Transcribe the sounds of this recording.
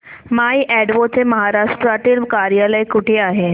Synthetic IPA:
maiʔɛɖʋot͡seməɦaɾaʂʈɾat̪ilkaɾijaləjkuʈʰeaɦe

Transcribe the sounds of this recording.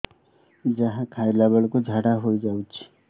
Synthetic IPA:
d͡ʒaɦãkʰajlɛbəɭkod͡ʒʱaɽaɦojd͡ʒawt͡ʃʰi̥

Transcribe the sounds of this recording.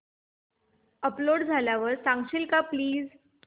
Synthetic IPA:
əploɽd͡zʱaljaʋəɾsãŋɡɕilkapliːd͡z

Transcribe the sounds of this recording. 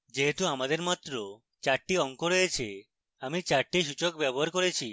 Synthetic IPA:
d͡ʒeɦet̪ũamad̪eɾmat̪ɾɔ | t͡ʃaʈːiɔŋkɔɾɔet͡ʃʰe | amit͡ʃaʈːiʃut͡ʃɔkbjɛbɔɦaɾkɔɾet͡ɕʰi

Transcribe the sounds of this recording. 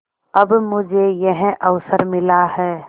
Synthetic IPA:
ɐbmʊd͡ʒʱejɛɦɛ̃ʔəʋsəɾmɪlahɛː

